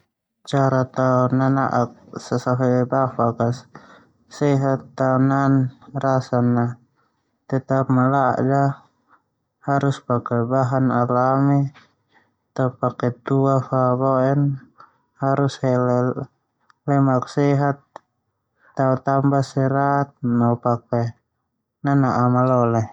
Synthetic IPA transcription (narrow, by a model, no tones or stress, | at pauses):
t͡ʃaɾat̪aɔnana̰ʔak̚sasaɦɛbafakas | sɛɦat̪ːaunanrasanːa | t̪ɛt̪apmala̰ʔd͡ʒa | haɾuspakɛbaɦanalami | t̪apːakɛt̪uafabɔɛn | haɾushɛlɛ | lɛmaksɛɦat̪̚ː | aut̪ambasɛɾat̪̚napak̚ɛ | nanaʔːmalɔlɛ